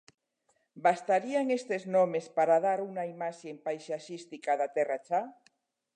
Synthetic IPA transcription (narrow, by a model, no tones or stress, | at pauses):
bast̪aɾiaŋest̪eznomespaɾaðaɾuŋaimaʃempajsaʃist̪ikaðat̪ɛrat͡ʃa